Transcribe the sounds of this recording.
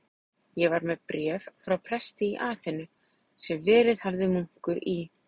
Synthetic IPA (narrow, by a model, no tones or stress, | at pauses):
jɛvaɾmɛðpɾjɛːvfɾawpʰɾɛst̪ɪiʔaːθɪnːʏ | sɛmvɪːɾɪð̥havðɪmuŋ̥kʏɾi